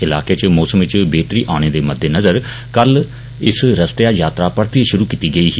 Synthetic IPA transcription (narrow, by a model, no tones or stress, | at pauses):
ɪlaːkeːt͡ʃmɔːsəmʋɪt͡ʃbeːt̪ɾiːʔaːɽ̃eːd̪eːməd̪ːeːnəzəɾ | kəl | ɪsɾəst̪ejaːjaːt̪ɾaːpəɾt̪iːʃʊɾuːkiːt̪iːɡəiːɦː